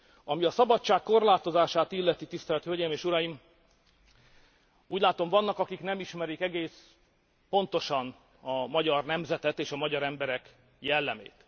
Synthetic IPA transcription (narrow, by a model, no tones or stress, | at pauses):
ɒmiɒsɒbɒtt͡ʃːaːkkːo̞rlaːt̪o̞zaːʃaːt̪ilːɛt̪it̪ist̪ɛlt̪høːɟejmeːʃuɾɒjim | uːɟlaːt̪o̞ɱvɒnːɒkɒkiknɛmiʃmɛɾikɛɡeːs | po̞nt̪o̞ʃɒn | ɒmɒɟɒrnɛmzɛt̪ɛt̪eːʃɒmɒɟɒɾɛmbɛɾɛk | jɛlːɛmḛːt̪